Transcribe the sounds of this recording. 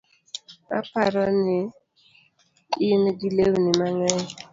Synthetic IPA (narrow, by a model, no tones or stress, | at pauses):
a̰paɾɔnɪ | ɪnɡilewnɪmaŋɛ